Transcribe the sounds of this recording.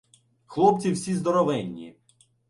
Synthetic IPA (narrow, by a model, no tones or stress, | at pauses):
xlˠɔp̪̚t͡sʲiwsʲizd̪ɔɾɔʋɛnʲːḭ